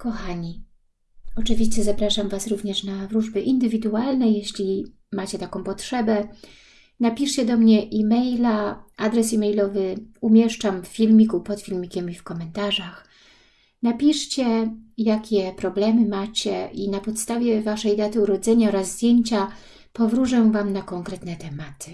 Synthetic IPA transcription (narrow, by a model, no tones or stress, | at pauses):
kɔxaɲi | ɔt͡ʂɘvʲiɕt͡ɕɛzapɾaʂamvasɾuvɲɛʂnavɾuʐbɘʔind̪ɘvʲid̪ualnɛjeɕlʲi | mat͡ɕɛt̪akɔ̃w̃pɔtʂɛbɛ | napʲiʂt͡ɕɛd̪ɔmɲɛʔimɛjlaad̪ɾɛsimɛjlɔvɘumʲjɛʂt͡ʂamffʲilmʲikupɔt̪fʲilmʲikʲɛmifkɔmɛnt̪aʐax | napʲiʂt͡ɕɛjakʲɛpɾɔblɛmɘmat͡ɕɛʔinapɔt̪st̪avʲjɛvaʂɛjd̪at̪ɘuɾɔd̪zɛɲaɔɾazːd̪ʲjeɲt͡ɕa | pɔvɾuʐɛvamnakɔŋkɾɛt̪nɛt̪ɛmat̪ɘ̥